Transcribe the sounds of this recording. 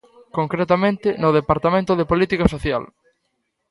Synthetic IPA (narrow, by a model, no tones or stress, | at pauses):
koŋkɾet̪amẽnt̪ɪnʊðepaɾt̪amẽnt̪ʊðepolit̪ikasoθja̰l